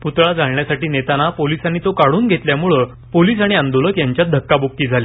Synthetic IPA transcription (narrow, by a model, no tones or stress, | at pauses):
put̪ɭad͡zaɭɳjasaʈiːnet̪anapolisañit̪okaɽuːnɡʱet̪ljamuɭə | poliːs̬aɽ̃iand̪oləkjaɲt͡ɕjad̪ʱəkːabokːiːd͡zʱalja